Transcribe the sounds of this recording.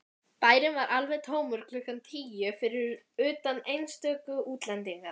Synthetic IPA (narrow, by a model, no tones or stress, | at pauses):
paːjɾɪnvaɾʔalvɛðt̪ʰoːwmʏɾ̥kʰlʏhkant̪ʰiːjʏfɪɾɪɾ | ʏːt̪anejnst̪œːkʏuːt̪lɛnt̪iŋkaɾ̥